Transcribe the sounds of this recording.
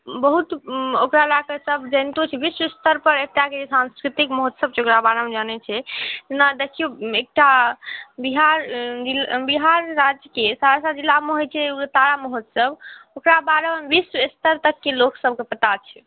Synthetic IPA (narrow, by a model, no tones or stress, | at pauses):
bəɦut̪okɾalakəsəbd͡ʒənt̪ot͡ʃʰɛbiswəst̪əɾpəɾekt̪ɾaked͡ʒesãnskɾit̪ikmɔɦot̪səb̚t͡ʃʰokɾabaɾəmd͡ʒənɛt͡ʃʰɛt̪enad̪ekʰijoek̚ʈa | biɦaɾd͡ʒibiɦaɾːad͡ʒjkesaɾasad͡ʒilːameɦojt͡ʃʰɛuɡət̪aɾamɔɦot̪səbokɾabaɾənʋiswist̪əɾt̪əkːeloksəb̚kepət̪at͡ʃʰɛ̥